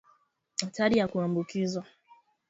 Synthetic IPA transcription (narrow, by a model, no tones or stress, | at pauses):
ataɾijakuambukizwa